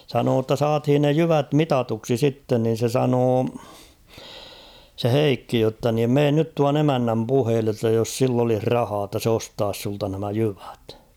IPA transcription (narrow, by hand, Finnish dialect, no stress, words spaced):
sɑnoː tːɑ sɑːthin ne jyʋæt mitɑtuksi sitːen nin̞ se sɑnoː se heikːi jotːɑ niːm meːn nyt tuɑn emænːæm puheːlːe tːæ jos silː olih rɑhɑː tːɑ s ostɑːs sultɑ næmæ jyʋæ̥t